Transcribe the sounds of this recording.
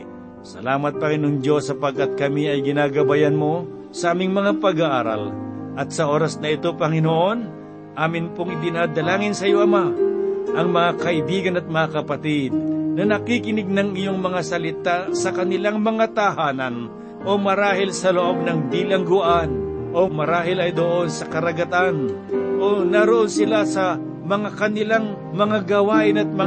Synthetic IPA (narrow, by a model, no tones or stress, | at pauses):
sɐ̰laːmɐt̪̚pɐŋɪnoŋd͡ʒo̞sːɐpɐɡ̚kat̪̚kɐmiɐjɡɪnaːɡɐbajanmo̞ | sɐʔaːmɪŋmɐŋapɐɡaʔaːɾa̰lʔɐt̪̚sɐʔo̞ːɾɐsnɐɪt̪o̞pɐŋɪnoʔo̞n | ʔaːmɪnpoŋɪd̪ɪnaːd̪ɐlaːŋɪnsɐjo̞ʔɐmaʔɐŋmɐŋakɐʔɪbiːɡɐnɐt̪̚mɐŋakɐpɐt̪ɪd̪̚nɐnɐkikɪnɪɡ̚nɐŋɪjoŋmɐŋasɐlɪt̪asɐkɐnɪlaŋmɐŋat̪ɐhaːnɐn | ʔo̞mɐɾaːhɪlsɐloʔo̞ɡ̚nɐŋbilɐŋɡʊʔanʔo̞mɐɾaːɦɪlɐjd̪oʔo̞nsɐkɐɾɐɡɐt̪anʔonɐɾoʔo̞nsɪlasɐ | mɐŋakɐnɪlaŋ | mɐŋaɡɐwaːʔɪnɐt̪̚mɐ